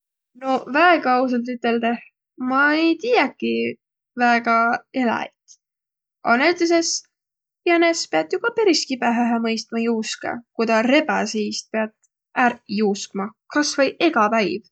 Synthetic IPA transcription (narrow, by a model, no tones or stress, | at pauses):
no̞væeɡɑɑus̬ɑlt̪yt̪ːˑe̞ld̪eh | mɑejt̪ijɛkːi | væeɡ̥ɑelɑ̰jt̪ | ɑnet̪is̬es | jɑnespe̞ɑt̪jukɑpeɾiskipæɦæɦæmɤjst̪mɑjuːskɑ̰kujd̪ɑɾe̞bæsijst̪̚peɑt̪ | ærjuːskmɑkɑsvɤjʔe̞ɡ̥ɑpæjv